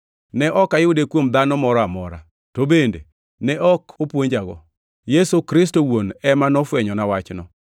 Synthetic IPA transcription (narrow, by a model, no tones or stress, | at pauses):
nɛʔɔkajʊdekwomd̪anɔmɔɾɔamɔɾa̰ | tobendḛ | nɛʔɔkʰopwoɲd͡ʒaɡɔ̰ | jesokɾɪs̬towonɛmanɔfwɛɲɔnawat͡ʃnɔ